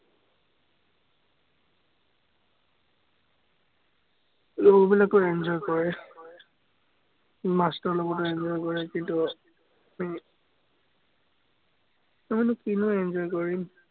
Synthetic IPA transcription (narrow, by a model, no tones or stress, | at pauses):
lobilakɔɛnd͡ʒɔjkɔɹɛ | mastɔɹlɔɡɔtɔɛnd͡ʒɔjkɔɹɛkintu | ami | amɔnʊkinʊɛnzɔjkɔɹim